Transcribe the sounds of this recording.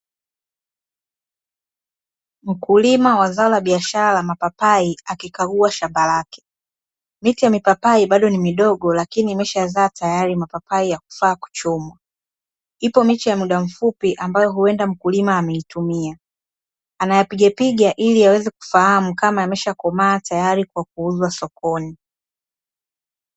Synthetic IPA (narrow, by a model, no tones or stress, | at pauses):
m̩kulimawazaɔlaɓiaʃaɾalamapapaiakikaɡuaʃambalakɛ̥ | mitijamipapaiɓaɗɔnimiɗɔɠɔlakiniːmɛʃazaːtajaɾimapapaijaku̥faːku̥t͡ʃɔmwa | ipɔmit͡ʃijamuɗam̩fupiʔambajɔɦuɛndam̩kulimaːmɛitumiaː | najapiɠapiɠaʔiliawɛzɛku̥fahamukamaamɛʃakɔmaːtajaɾikwak̚uuzwasɔkɔni